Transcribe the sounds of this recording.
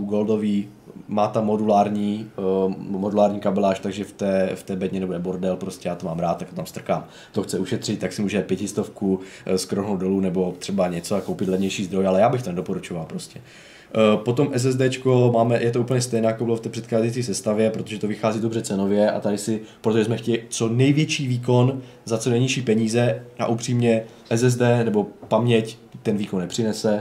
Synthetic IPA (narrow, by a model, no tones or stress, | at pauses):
ɡuɡɛldoviː | maːt̪amːodulaːɾɲiː | modulaːɾɲiːkabɛlaːʃt̪aɡʒɛft̪ɛːft̪ɛːbɛdɲɛnɛbonɛboɾdɛlpɾo̞scɛjaːt̪omaːmɾaːt̪t̪ːak̚t̪ot̪amst̪r̩kaːm | t̪o̞xt͡sɛuʃɛt̪r̝̥ɪt̪̚ːaksɪmuːʒɛɛpjɛcɪst̪o̞fku | skɾoɦnowdo̞luːnɛbo̞t̪r̝̥ɛbaɲɛt͡soakowpɪt̪lɛvɲɛjʃiːzd̪ɾo̞jalɛjaːbɪxt̪onɛdo̞po̞ɾut͡ʃovalpɾo̞scɛ | po̞t̪o̞mʔɛs̬ɛzd̪ɛːt͡ʃkomaːmɛjʔɛt̪̬ouːpl̩ɲɛst̪ɛjnaːjakobɪloft̪ɛːpr̥ɛt̪xaːzɛjt͡siːsɛst̪avjɛpɾot̪oʒɛt̪o̞vɪxaːziːdo̞brɛt͡sɛno̞vjɛʔa̰t̪adɪsɪpɾot̪oʒɛzmɛxcɛɪt͡so̞nɛjvjɛt͡ʃiːviːk̬o̞n | zat͡sonɛjɲɪʃiːpɛɲiːzɛʔa̰ʔupr̝̥iːmɲɛ | ʔɛzɛzdɛːnɛbo̞pamɲɛc | t̪ɛnviːkonːɛpr̝̥ɪnɛsɛ